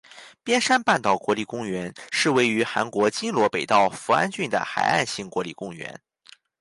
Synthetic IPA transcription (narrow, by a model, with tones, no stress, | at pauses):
pjɛ˥nʂa˥npa˥˩nt̪ɑ˥˩ʊkwɔ˧˥li˥˩kʊ˥ŋɥɛ˧˥nʂɻ̩˥˧we˥˩ɪy˧˥xa̰˧˥nkwɔ˧˥t͡ɕi˥ŋlwɔ˧˥pe˨˩ɪt̪ɑ˥˩ʊfu˧˥a̰˥nt͡ɕy˥˩nd̪ə̰˩xa̰˨˩ɪa̰˥˧nɕi˥˩ŋkwɔ˧˥lḭ˨˩kʊ˥ŋɥɛ̰˧˥n